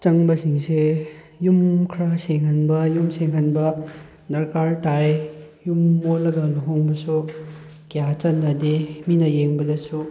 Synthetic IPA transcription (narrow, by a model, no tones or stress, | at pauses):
t͡ʃɐŋbɐsiŋse | jumkʰɾaseŋɦɐnbɐjumseŋɦɐnbɐ | nɐɾkaɾtajjumːolːɐɡɐloɦoŋbɐsu | kjat͡ʃɐnːɐdeminɐjeŋbɐdɐsu